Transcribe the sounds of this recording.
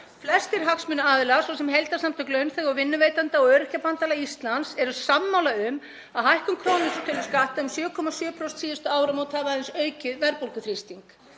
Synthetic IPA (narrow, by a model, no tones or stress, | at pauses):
flɛst̪ɪɾ̥ɦaksmʏnaaːðɪlasvɔwsɛmɦejlt̪asamt̪ʰœklœɥnθɛɣɔɣvɪnːʏveːjt̪ant̪aɔɣœːɾɪhcapant̪alaist̪lansɛɾʏsamːawlaʏm | aðɦajhkʏmkʰɾownɪsʏt̪ʰœlːʏ̥skaht̪aʏmsjœːkʰɔmasjœːpʰɾɔwst̪siːðast̪ʏaːwɾamowt̪havaðɪnsœːɥcɪðvɛɾpowlkʏθɾist̪iŋk